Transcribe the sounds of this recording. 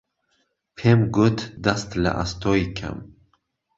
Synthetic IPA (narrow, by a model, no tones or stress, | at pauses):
pʰemɡut̪ʰd̪ast̪la̰ʔast̪ʰɔikʲʰa̰m